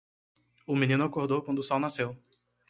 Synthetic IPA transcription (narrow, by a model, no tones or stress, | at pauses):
ʊminĩnʊakoɾd̪owkwɐ̃nd̪ʊsɔwnasew